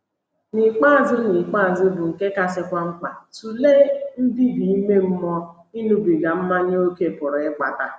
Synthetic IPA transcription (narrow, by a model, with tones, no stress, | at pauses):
nɪ˨k͡pa˦a˨zɪ˦nɪ˨k͡pa˦a˨zɪ˦bʊ˨ŋ̩˨ke˦ka˦sɪ˦kʷa˦ŋ͡m̩˦k͡pa˨tu˨le˦n̩˦di˦bi˨i˦me˦m̩˦mɔ˦ | i˦nu˦bi˨ɡa˨m̩˦ma˦ɲe˦o˦ke˦˨pʊ˨ɾk͡pa̰˨ta˨